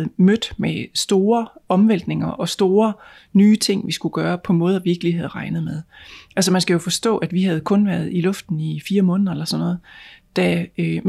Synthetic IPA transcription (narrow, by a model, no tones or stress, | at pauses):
ð̩ˠmød̥mesd̥o̝ːɐɒ̽mʋen̰l̰d̥neŋɐʔɒ̽sd̥o̝ːɐ | nyːt͡sʰe̝ŋ̰ʋisɡ̥uɡ̥ɶːɐpʰɒ̽mɔ̽ːð̞ˠɐʋiɡ̥əliɦæð̞ˠʁɑ̈ɪnəð̞̩ˠmeðˠælsəmænsɡ̥æjo̝fɒ̽sd̥ɔ̰̽ːʔæd̥ʋiɦæð̞̩ˠkʰɔ̽nʋæɐð̞ˠilɔ̽fd̥n̩ifiːɐmɔ̽ːnðˠɐelɐsɒ̽nːɔ̽ːðˠd̥æø